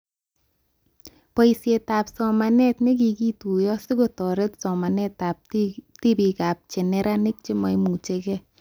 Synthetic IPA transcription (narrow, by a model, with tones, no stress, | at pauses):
pɔ˨isje˨ta˨psɔ˨ma˨nɛ˦tnɪ˦k̬i˨ki˦tu˨jɔ˦sɪ˦ɡo˨tɔ˨ɾɛ˦tsɔ˨ma˨nɛ˦ta˨p̚ti˦bi˨ka˨p̚t͡ʃɛ˨nɛ˦ɾʔa˦nɪ˦k̚t͡ʃɪ˦mɔ˨jmu˨t͡ʃe˨kɛ˦